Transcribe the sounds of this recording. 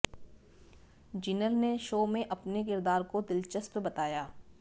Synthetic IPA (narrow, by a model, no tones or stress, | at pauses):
d͡ʒɪnəlneʃoːmẽʔɐpnek̬ɪɾd̪aːɾkod̪ɪlt͡ʃəspbɐt̪aːjaː